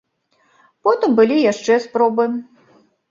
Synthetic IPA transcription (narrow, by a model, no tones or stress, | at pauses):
pɔt̪ɨmbɨlʲijaʂt͡ʂɛspɾɔbɨ